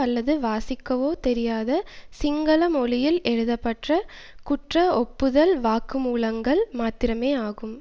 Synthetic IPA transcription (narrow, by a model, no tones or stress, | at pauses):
ɐlːɐðɯʋaːsɪkːɐʋoːt̪ɛɾɪjaːðɐsɪŋɡɐlɐmɔɭɪjɪlɛɻɯðɐpːɐʈrɐ | kʊʈrɐɔpːɯðɐlʋaːkɯmuːlɐŋɡɐɭmaːt̪ɪɾɐmeːaːɣɯm